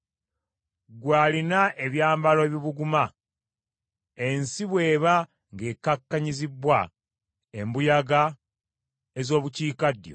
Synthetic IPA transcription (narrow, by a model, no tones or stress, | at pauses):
ɡwaːlinaʔeβjaːmbaloeβiβuɡuma | ensiβwe̞ːβa | ŋɡe̞ːkakːaɲizibwa | embujaɡa | ezo̞ːβuciːkadjo̞̰